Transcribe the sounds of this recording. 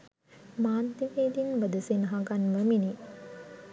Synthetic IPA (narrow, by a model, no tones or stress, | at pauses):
maːnt̪iʋeːd̪inʋəd̪əsenɦaɡanʋəmini